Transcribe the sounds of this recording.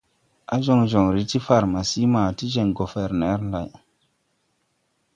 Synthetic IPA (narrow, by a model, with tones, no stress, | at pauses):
a˦ʒo˦˨ŋʒo˨ŋɾi˦ti˦fa˨ɾma˨si˦ma˨ti˦d͡ʒe˨ŋɡo˨fɛ˨ɾnɛ˦ɾla˨j